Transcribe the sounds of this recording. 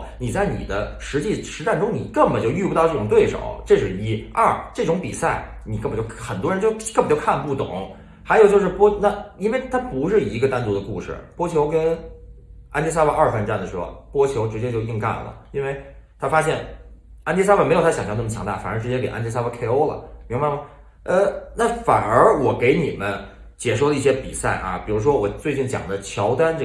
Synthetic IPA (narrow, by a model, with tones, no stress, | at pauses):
ni˨˩t͡sa˥˩ɪnḭ˨˩d̪ə˦ʂɻ̩˧˥t͡ɕi˥˩ʂɻ̩˧˥ʈ͡ʂa˥˩nʈ͡ʂʊ˥ŋni˨˩kə˥˩ŋbə˨˩t͡ɕjo˥˧ʊy˥˧pt̪ɑ˥˧ʈ͡ʂɤ˥˩ʈ͡ʂʊ˨˩ŋt̪we˥˩ɪʂo̰˨˩˦ʊʈ͡ʂɤ˥˧ʂɻ̩˥˩i˥ɐ˥˩ʈ͡ʂɤ˥˩ʈ͡ʂʊ˧˥ŋpi˨˩sa˥˩ɪ | ni˨˩kə˥˩pə˩t͡ɕjʰxə˨˩nt̪wɔ˥ɻə˧˥t͡ɕo˥˧ʊkə˥˩pə˨˩t͡ɕo˥˧kʰa˥˧npu˥˩t̪ʊ̰˨˩˦ŋ | xa˧˥ɪjo˨˩ʊt͡ɕjo˥˧ʊʂɻ̩˥˧˩pwɔ˥na˥˩i˥nwe˥˩ɪt̪ʰa˥pu˧˥ʂɻ̩˥˩i˧˥ɡə˧t̪a˥nt͡swɔ˧˥d̪ə˧kṵ˥˧ʂɻ̩̰˥˩pwɔ˥t͡ɕʰjo˧˥ʊkə˥n | a˥nt͡ɕi˧˥sa˥ba˧ʔɐ˞˥˩fə˥˧nʈ͡ʂa˥˩nd̪ə˩ʂɻ̩˧˥xo̰˧˩pwɔ˥t͡ɕʰjo˧˥ʊʈ͡ʂɻ̩˧˥t͡ɕjɛ˥t͡ɕjo˥˧ʊi˥˧ŋka̰˥˩nlə̰˩i˥nwe˥˩ɪt̪ʰa˥fa˥ɕjɛ˥˩n | a˥nt͡ɕi˥sa˥a˨˩m˧˥ɪjo˨˩t̪ʰa˥jɑ˨˩ŋɕjɑ˥˧˥nə˥˩m˩t͡ɕʰjɑ˧˥ŋt̪a˥˩fa̰˨˩nə˞˧˥ʈ͡ʂɻ̩˧˥t͡ɕjɛ˥ke˨˩ʔa̰˥nt͡ɕs̬a˥ba˧˥kʰe˥˧ɪo˥ʊlə̰˨mi˧˥ŋba˥˩mɐ˩ | ə˥˧na˥˩fa˨˩nə˞˧˥wɔ˨˩ke˧˥ɪni˨˩mə˦n | t͡ɕjɛ˧˥˩ʂo˥˩ʊlə˦i˥˩ɕjɛ˥pḭ˨˩sa˥˩ɪʔɐ̰˩pi˨˩ɻu˧˥ʂwɔ˥wɔ˨˩t͡swe˥˧ɪt͡ɕi˥˩nt͡ɕjɑ̰˨˩ŋd̪ə˦t͡ɕʰjɑ˧˥ʊt̪a˥nʈ͡ʂ